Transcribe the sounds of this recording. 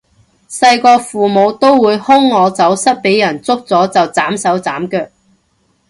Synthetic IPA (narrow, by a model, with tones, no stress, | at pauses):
sɐ˧jkɔː˧fuː˨mo˨˧wt̪o˥wwuː˨˧jhʊ˥ŋːɔː˨˧t͡sɐ˨˥wsɐ˥t̚pe˨˥jɐ˨˩nt͡sʊ˥k̚t͡sɔː˨˥t͡sɐ˨wt͡saː˨˥msɐ˨˥wt͡saː˨˥mkœː˧k̚